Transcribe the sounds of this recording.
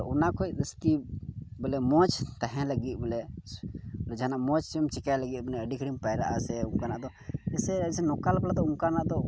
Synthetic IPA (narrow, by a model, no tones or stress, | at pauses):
unakʰɔjd̪əsk̪ibɛlɛmɔ̃t͡ʃt̪aɦɛ̃ləɡit̪̚ˀbɛlɛ | lɛd͡ʒanaʔmɔt͡ʃt͡ʃɛmt͡ʃɛkajləɡit̪̚bɛlɛəɖikʰɽimpajɾaʔasɛuŋkanaʔd̪ɔ | ɛsɛsɛnɔkalplad̪ɔuŋkanaʔd̪ɔ